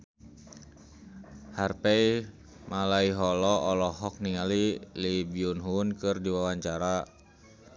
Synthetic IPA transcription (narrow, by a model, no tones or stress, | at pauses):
harpɛi | malaiɦɔlɔʔɔlɔɦɔk̚niŋalilibiunɦunkɨrdiwawaɲt͡ʃaɾa